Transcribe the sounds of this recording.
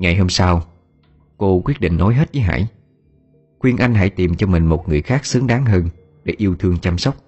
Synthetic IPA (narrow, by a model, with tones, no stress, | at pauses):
ŋa˨˩jɦo˧msaː˧w | ko˧kwi˦˥ət̚ɗḭ˧˨ŋ̟no˨˦jɦe˦˥t̚və˨˦jɦa̰ː˧˩j | xwi˧ənʔa˧jŋ̟ɦa̰˧˥˩jt̪i˨˩mt͡ɕɔ˧mï˨˩ŋ̟mo˨˩t̚ŋɨ˨˩əjxaː˦˥k̚sɨ˨˦əŋɗaː˨˦ŋɦəː˧n | ɗe˧˩ʔi˧əwt̪ʰɨ˧əŋt͡ɕa˧msə˦˥wk͡p̚